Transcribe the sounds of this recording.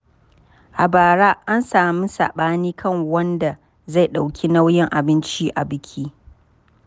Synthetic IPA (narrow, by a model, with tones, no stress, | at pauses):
ʔa˨baː˨ɾaː˦ʔa˦nsaː˨mi˦sa̰ː˨ɓaː˦niː˦kʰɐ˦˨ŋwɐ˦nda˨ | za˦˨jɗa˨wkʲʰi˦na˦wjɪ˦ŋʔa˨bɪ˦nt͡ʃi˦ʔa˨bɪ˦kʲʰiː˦